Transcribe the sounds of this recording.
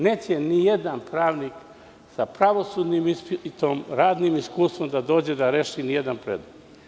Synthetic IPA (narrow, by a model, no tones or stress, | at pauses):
neːt͡ɕenije̞d̪anpɾaːʋnik | sapɾaʋo̞suːd̪nimispit̪oːmɾaːd̪nimiskuːst̪ʋo̞md̪ad̪o̞ːd͡ʑe̞d̪aɾeʃinije̞d̪anpɾḛd̪no